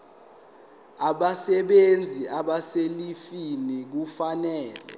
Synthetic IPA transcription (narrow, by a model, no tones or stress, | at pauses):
aɓasɛɓend͡zʱiaɓaselifinik̬ufanɛːlɛ̰